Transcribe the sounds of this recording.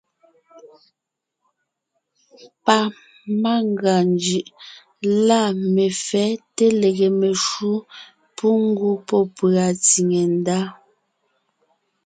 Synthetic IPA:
pa˨ | ma˦ŋɡa˨nd͡ʒɯ˨ʔ | la˦˨me˨fɛ˨˦te˦le˨ɣe˨me˨ʃu˦ | pu˦ŋ̩˦ɡu˦pɔ˦˨pɰa˨t͡si˨ŋe˨n˦da˦

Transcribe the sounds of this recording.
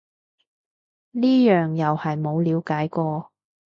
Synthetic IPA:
niː˥jœː˨ŋjɐ˨whɐ˨jmo˨˧wliː˨˧wkaː˨˥jkɔː˧

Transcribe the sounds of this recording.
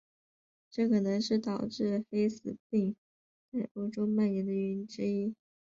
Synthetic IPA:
ʈ͡ʂɤ˥˩kʰɤ˨˩nɤ˧˥ŋʂɻ̩˥˩t̪ɑ˨˩ʊʈ͡ʂɻ̩˥˩xe˥ɪsɹ̩˨˩pi˥˧ŋ | t͡sa˥˩ɪʔo˥ʊʈ͡ʂo˥ʊma˥˩njɛ˧˥nd̪ə˧y˧˥nʈ͡ʂɻ̩˥i˥

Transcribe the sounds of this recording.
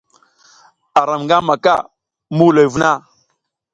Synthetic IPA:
a˨ɾa˨mŋɡa˦ma˨ka̰˦ | mu˦lo˨jvu˦na˦

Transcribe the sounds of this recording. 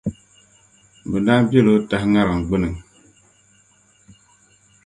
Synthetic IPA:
bə˨nda˦bje˦˨lo˦ta˦hŋa˦ɾa˨ŋ˨ɡ͡bə˦nə˨ŋ

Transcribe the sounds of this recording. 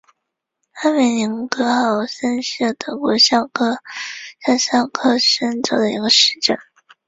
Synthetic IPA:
a˥me˧˩li˧˥ŋkɤ˧˥xɑ˨˩ʊʂə˥nʂə˥˩t̪ʰɤ˧˥kwɔ˧˥ɕjɑ˥˧˩ʊkʰɤ˥ɕɑ˥˧ɕjɑ˥˧ʊkʰɤ˥ʂə˥nʈ͡ʂɤ˨˩d̪ə˦˧ḭ˧˥ɡə˧ʂɻ̩˥˩ʈ͡ʂə˥˩ŋ

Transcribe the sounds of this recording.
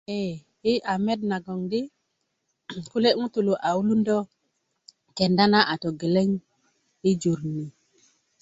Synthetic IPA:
e˦˨ | i˦ʔa˨me˦d̚na˨ɡɔ˨ŋdi˦ | ku˦le˦ʔŋu˦t̪u˨lo˨ʔa˨u˦lu˦ndɔ˦ | ke˨nda˦na˦ʔa˨to˨ɡe˨le˦ŋ | i˦d͡ʒu˨ɾni˨

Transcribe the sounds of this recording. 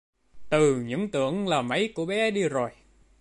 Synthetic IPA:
t̪ɨ˨˩ɲɨ̰˧˥ŋt̪ɨ̰˧˨əŋlaː˨˩mə˨˦jku˧˩əɓɛ˨˦ɗi˧zo˨˩j

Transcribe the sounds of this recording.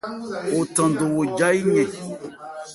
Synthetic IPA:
o˨tã˨ndo˨wo˨d͡ʒa˦i˦ɲɛ̃˨

